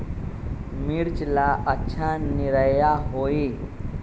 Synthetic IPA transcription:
miɾt͡ʃlaətːʃʰaniɾəjaɦoːi

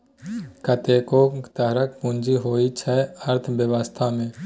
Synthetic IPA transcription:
kʰət̪eːkot̪əɦɾək̚pũnd͡ʒiɦoːit͡ʃʰɛəɾt̪ʰbjəʋəst̪ʰamẽː

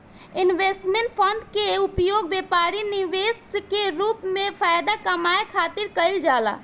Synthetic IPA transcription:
ɪnʋeːsʈmẽɳʈpʰɔ̃nɖkeʊpjoːɡ̚beːpaːɾinɪʋeːskeɾuːpmẽfaːjd̪akɐmaːekʰaːt̪ɪɾkɐɪld͡ʒaːla̰ː

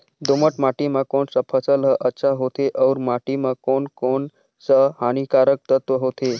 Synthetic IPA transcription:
d̪oməʈmaʈimãkoɳsəpʰəsəlɦəʔətːʃʰaɦot̪eʔəwɾmaʈimakoɳkon | səhañikaɾək̚t̪ət̪ʋəɦot̪e

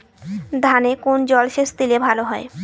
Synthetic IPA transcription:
d̪ʱanekond͡ʑɔlʃest̪ilebʱaloɦɔe

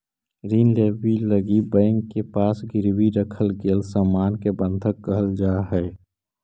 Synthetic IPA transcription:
ɾiːnleːbiləɡibə̃ɪŋkepaːsɡɪɾwiɾəkʰəlɡelsaːmaːnkebə̃nd̪ʱəkːəɦəld͡ʒaːɦɛː

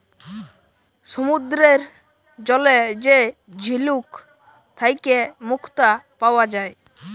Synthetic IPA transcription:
sɔmud̪ɾeɾ | d͡ʒɔled͡ʒe | d͡ʒʱiluk | t̪ʰajkemukʰt̪apawad͡ʒae

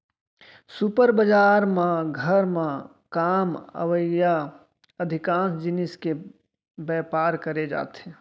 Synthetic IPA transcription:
sʊpəɾbəd͡ʒaːɾmãɡʱəɾmã | kaːmə̰ʋəja | əd̪ʱɪkãːnsd͡ʒɪnɪske | bɛːpaːɾkəɾed͡ʒa̰ːt̪ɦɛ̃ː

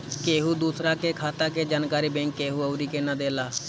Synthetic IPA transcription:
keːɦuːd̪uːsɾaːkeːkʰaːt̪aːk̬eːd͡ʒaːnkaːɾiːbɛ̃ːŋkːeːɦuːəːɾiːkeːnad̪eːlaː

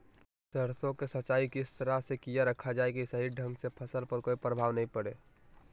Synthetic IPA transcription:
səɾsõkesət͡ʃaːikiɪst̪əɾasekijaɾəkʰːad͡ʒaːeɡisɐɦiɖʱə̃ŋɡsepʰəsəlpəɾkoːipɾəbʱaːʋnəɦĩpəɽeː

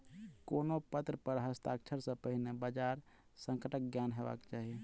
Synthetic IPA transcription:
koːnopət̪ɾəpəɾɦəst̪akt͡ʃʰəɾsə̃pəɦinebad͡ʒaɾ | sə̃ŋkəʈək̚ɡjanɦeba̰kt͡ʃaːɦie

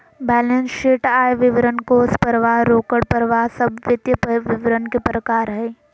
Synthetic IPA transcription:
bɛːlẽnsʃeːʈaːjʋɪʋɾənkoːspəɾʋaːɦɾoːkəɽpəɾʋaːɦsɐbʋjət̪jəpʋɪʋɾənkepɾəkaːɾɦɛː

